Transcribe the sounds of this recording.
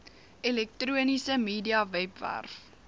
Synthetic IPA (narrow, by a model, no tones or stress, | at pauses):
ɛlɛk̚truənisəmiːdiɐvɛpvæ̰rf